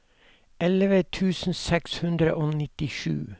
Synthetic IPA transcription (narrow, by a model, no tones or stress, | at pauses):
ʔɛlʋət̪ʰʉːsn̩sɛkshʉnd̪ɾəʔoːnɪt̪ɪʃʉ̰ː